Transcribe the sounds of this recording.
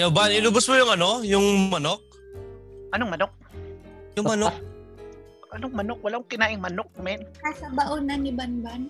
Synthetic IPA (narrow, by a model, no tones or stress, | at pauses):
jawbanɪlʊbʊsmʊjʊŋɐnojʊŋmɐnok̚ | ʔɐnoŋmɐnok̚ | jʊŋmɐno | ʔɐnoŋmɐnok̚wɐlaʊŋkɪnaːʔɪŋmɐnok̚mɛnkasɐbaʔʊnanɪbanban